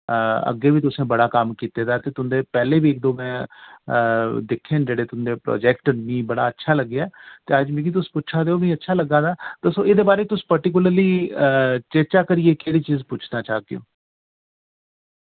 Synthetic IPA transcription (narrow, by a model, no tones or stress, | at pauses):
ə̰ɡːeːʋiːt̪ʊsẽːbəɽaːkəmkiːt̪eːd̪aːt̪eːt̪ʊnd̪eːpɛːleːʋiːɪk̚d̪oːmɛ̃ː | d̪ɪkʰːẽːnd͡ʒeːɽeːt̪ʊnd̪eːpɾɔ̰ːd͡ʒɛːkʈənmĩːbəɽa̰ːətːʃʰaːləɡːjaɛːt̪eːəd͡ʒmĩːkit̪̬ʊspʊʃʰaːd̪eːoːmɛ̃ːətːʃʰaːləɡːãːd̪aːt̪esõːɪd̪eːbaːɾeːt̪ʊsːpəɾʈiːk̬ʊləɾliː | t͡ʃeːt͡ʃaːkəɾɪeːkeːɽiːt͡ʃiːzpʊt͡ʃʰnaːt͡ʃaːd̪ḛjo̰ː